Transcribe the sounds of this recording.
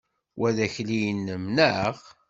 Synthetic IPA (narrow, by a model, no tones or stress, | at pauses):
wʔæðæçlijənːmnəʕəʁ